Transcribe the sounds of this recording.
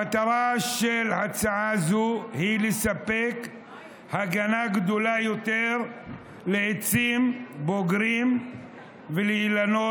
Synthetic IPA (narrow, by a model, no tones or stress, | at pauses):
at̪aɾaʃelhat͡saʕazuhilesapːek | haɡanaɡd̪olajot̪eʁ | leet͡simboɡɾim | veleilano